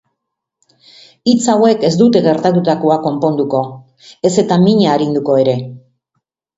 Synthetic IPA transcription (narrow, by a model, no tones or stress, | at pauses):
it͡sawe̞ke̞zd̪ut̪e̞ɣe̞ɾt̪at̪ut̪akoako̞mpo̞nd̪uko̞ | e̞se̞t̪amiɲaːɾind̪uko̞e̞ɾe̞